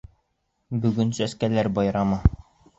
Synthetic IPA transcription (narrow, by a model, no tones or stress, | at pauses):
bɵ̆ɡɵnsæskælæɾbɒjɾɑmɤ